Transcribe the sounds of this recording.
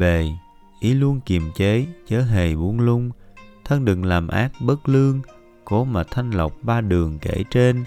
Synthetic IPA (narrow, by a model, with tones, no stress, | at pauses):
ve˨˩ | ʔi˨˦lu˧ənki˨˩mt͡ɕe˨˦t͡ɕəː˨˦ɦe˨˩jɓu˨˦ənlʊ˧ŋ͡mt̪ʰə˧nɗɨ˧˨˩ŋlaː˨˩mʔa̰ː˦˥k̚ɓə˦˥t̚lɨ˧əŋ | ko˨˦ma˨˩t̪ʰa˧jŋ̟lə˨˩wk͡p̚ɓaː˧ɗɨ˨˩əŋkḛ˧˩t͡ɕe˧n